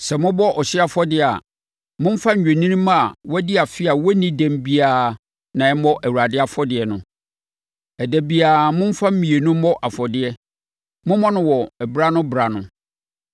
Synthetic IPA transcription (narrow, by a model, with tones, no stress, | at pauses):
sɛ˨mʊ̃˦bɔ˦ʔɔ˨ɕɪ˦a˨fɔ˦dɪ˦˨a̰˨ | mʊ̃˦m̩˦fã˦ɲ̩ᶣ˨e˨nĩ˦nĩ˦mã˦˨wɔ˦dɪ˦a˨fɪ˦a˨wɔ˦nĩ˦dæ̃˨mbi˦aː˨ | nã˨ɛ˦mɔ˦ʔæ˨wu˨ɾa˨dɪ˦a˨fɔ˦dɪ˨ɛ˨nʊ̃˦ | ɛ˨dæ˨bi˦aː˨mʊ̃˦m̩˦fã˦m̩˦mĩ˨e˨nʊ̃˦mɔ˦ʔa˨fɔ˨dɪ˦ɛ˦ | mʊ̃˦mɔ̃˦nʊ̃˦wɔ˨ɛ˨bɾa˦nʊ̃˦bɾa˨nʊ̃˦